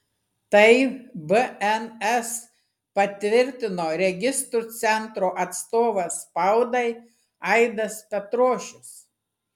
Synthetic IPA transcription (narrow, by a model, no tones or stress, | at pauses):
t̪ɐɪbəɛnɛs | pɐt̪ʲʋʲɪɾʲt̪ʲɪnoːɾʲɛɡʲɪst̪ɾut̪sʲɛnt̪ɾoːʔɐt̪st̪oːʋɐspɐʊd̪ɐɪ | ɐɪd̪ɐspʲɛt̪ɾoːʃʲʊs